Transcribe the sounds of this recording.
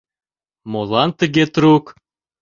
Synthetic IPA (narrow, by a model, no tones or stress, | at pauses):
molˠɑnt̪əɣet̪ɾuk